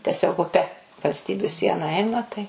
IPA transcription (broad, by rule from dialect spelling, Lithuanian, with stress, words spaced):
tʲɛˈsʲoːk ʊˈpʲɛ ʋɐlʲsʲˈtʲiːbʲʊ ˈsʲiɛnɐ ˈɛɪnɐ tɐɪ